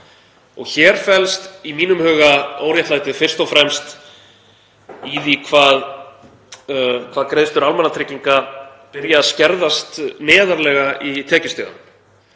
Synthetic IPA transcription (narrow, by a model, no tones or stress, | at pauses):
ɔ̰ɣçɛːɾ̥fɛlst̪imiːnʏmhœːɣaoːwɾjaht̪lajt̪ɪðfɪr̥st̪ɔfɾɛmst̪ | iːðikʰvaːð | kʰvaːðkɾeːðst̪ʏɾalmɛnat̪ʰɾɪciŋka | pɪɾjaːðscɛɾðast̪nɛːðaɾlɛɣait̪ʰɛːcɪst̪œːða̰m